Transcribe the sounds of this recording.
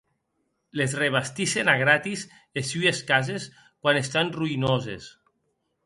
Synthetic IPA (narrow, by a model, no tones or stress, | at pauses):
lezreβast̪isenaɣɾat̪iz | lesːyeskazes | kwanest̪anruinozḛs